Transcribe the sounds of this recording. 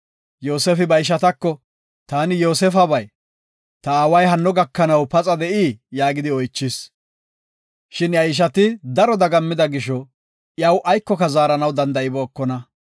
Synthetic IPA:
jo̞ːsɛfɪbɐjʃ̬ɐt̪ɐkːɔ | t̪aːnɪjo̞ːsɛfɐbɐj | t̪ɐaːwɐjɦɐnːɔɡɐkːɐnɐwpɐt͡sʼɐd̪ɛʔiːjaːɡɪd̪ɪɔjt͡ʃːɪs | ʃɪnjɐjɪʃ̬ɐt̪ɪd̪ɐɾɔd̪ɐɡɐmːɪd̪ɐɡɪʃɔ | jɐwʔɐjkːɔkɐzaːɾɐnɐwd̪ɐnd̪ɐʔɪbɔːkːɔnɐ

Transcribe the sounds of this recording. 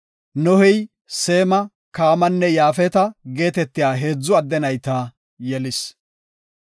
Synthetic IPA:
nɔhɪj | se̞ːmɐ | kaːmɐnːɛjaːfɛt̪ɐɡe̞ːt̪ɛt̪ːɪjaːɦe̞ːd͡zːʊɐd̪ːɛnɐjt̪aː | jɛlɪs

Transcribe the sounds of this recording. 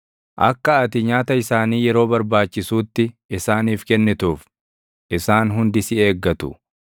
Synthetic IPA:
ʔɐ̰kːɐɐt̪ɪɲaːt̪ɐɪsaːniːjɛɾo̞ːbɐɾbaːt͡ʃːɪsuːt̪ːɪɪsaːniːfkɛnːɪt̪uːf | ʔɪsaːnɦʊnd̪ɪsɪeːɡːɐt̪ʊ̰

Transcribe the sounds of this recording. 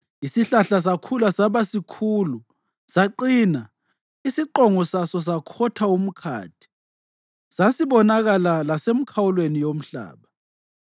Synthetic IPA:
isiɬaɬas̬akʰulasaβasikʰuːlu | saǃiːna | isiǃɔŋɔsasɔs̬akʰɔtʰaum̩kʰa̰ːtʰi̥ | sasiβɔnaɣalalasem̩kʰawulwenijom̩ɬa̰ːβa

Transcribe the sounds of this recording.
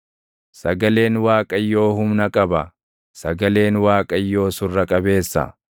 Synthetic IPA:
sɐɡɐle̞ːnwaːkʼɐjːo̞ːhʊmnɐkʼɐbɐ | sɐɡɐle̞ːnwaːkʼɐjːo̞ːsʊrːɐkʼɐbe̞ːsːɐ̰

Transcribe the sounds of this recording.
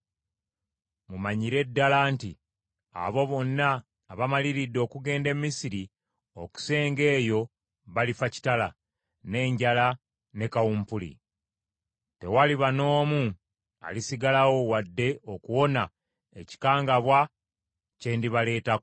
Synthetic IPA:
mumaɲiɾe̞dːalaːntḭ | a̰βo̞βo̞nːaː | βamaliɾidːo̞ːkuɡe̞ːnde̞mːisiɾi | o̞ku̥se̞ːŋɡe̞ːjo̞ | βalifaci̥tala̰ | ne̞ːɲɟala | ne̞kawuːmpulḭ | te̞̰waliβano̞ːmu | a̰lisiɡalawo̞wadːe̞okuwo̞na | e̞ci̥kaːŋɡaβwa | ce̞ːndiβale̞ːta

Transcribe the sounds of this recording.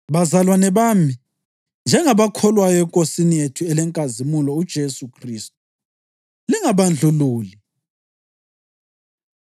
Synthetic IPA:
βazalwanɛβaːmi | nd͡ʒʱɛŋaβakʰɔlwajɔɛkʼosinijetʰuɛlɛŋkʼazimulɔud̥ʒ̥ʱesukʰriːst̚u̥ | liŋaβand͡ɮʱuluːli

